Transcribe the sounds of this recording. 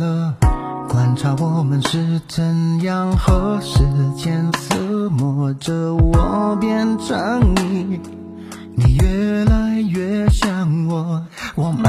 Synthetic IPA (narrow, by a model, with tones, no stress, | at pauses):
lə˧ | kwa˨˩nʈ͡ʂʰa˥wɔ˨˩mə˦nʂɻ̩˥˧t͡sʰə˧˥njɑ˥˧ŋxɤ˧˥ʂɻ̩˧˥˩t͡ɕjɛ˥ns̩ʰ˥mɔ˧˩ʈ͡ʂə˧wɔ˨˩pjɛ˥˧nʈ͡ʂə˧˥ŋni˨˧˩ | ni˨˩ɥɛ˧˩la˧˥ɪɥɛ˧˥ɕjɑ˥˩ŋwɔ˩wɔ˨˩mə˦